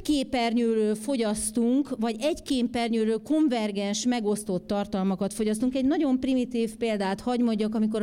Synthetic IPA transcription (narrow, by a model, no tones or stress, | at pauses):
keːpɛrɲøːɾøːlfo̞ɟɒst̪uŋkvɒɟɛɟkeːmpɛrɲøːɾøːko̞ɱvɛrɡɛnʃmɛɡo̞st̪o̞t̪ːɒrt̪ɒlmɒkɒt̪fo̞ɟɒst̪uŋkɛɟnɒɟo̞mprimit̪iːfpeːld̪aːt̪hɒɟmoɟːɒkɒmiko̞ɾ